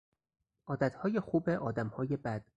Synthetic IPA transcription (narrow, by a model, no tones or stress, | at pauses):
ʔɒːd̪æt̪hɒːje̞xuːbeʔɒːd̪æmhɒːje̞bæd̪̥̚